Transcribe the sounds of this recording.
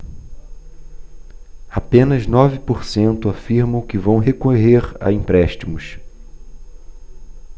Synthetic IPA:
apẽnɐznɔvɪpoɾsẽnt̪ʊafiɾmɐ̃w̃kɪvɐ̃w̃ɦekoɦeɾa̰ĩpɾɛʃt͡ʃimʊs

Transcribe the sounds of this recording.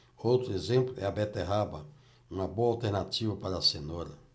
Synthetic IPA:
owt̪ɾʊezẽmplʊɛabɛt̪eɦabɐ | ũmɐboɐawt̪eɾnat͡ʃivɐpaɾasenoɾɐ

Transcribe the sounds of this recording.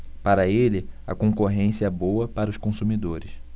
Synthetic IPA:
paɾɐelɪɐ̰kõkoɦẽsiɐɛbowɐpaɾɐʊʃkõsumid̪oɾɪs

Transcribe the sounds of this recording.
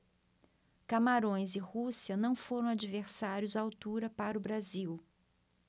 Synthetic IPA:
kamaɾõj̃zɪhusiɐnɐ̃w̃foɾɐ̃w̃ad͡ʒiveɾsaɾjʊzawt̪uɾɐpaɾʊbɾaziw

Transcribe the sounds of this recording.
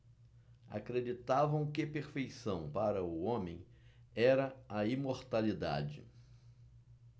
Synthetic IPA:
a̰kɾed͡ʒit̪avɐ̃w̃kɪpeɾfejsɐ̃w̃paɾɐʊõmẽj̃ | ɛɾɐɐimoɾt̪alid̪a̰d͡ʒɪ̰

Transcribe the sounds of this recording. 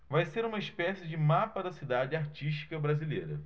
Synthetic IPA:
vajseɾũmɐiʃpɛsɪd͡ʒɪmapɐd̪ɐsid̪ad͡ʒɪaɾt͡ʃiʃ̬t͡ʃi̥kɐbɾazilejɾɐ̰

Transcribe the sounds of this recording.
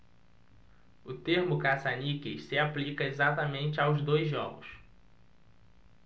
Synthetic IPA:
ʊt̪eɾmʊkasanikeʃsɪaplikɐezat̪ɐmẽnt͡ʃɪawzd̪ojzʒɔɡʊs

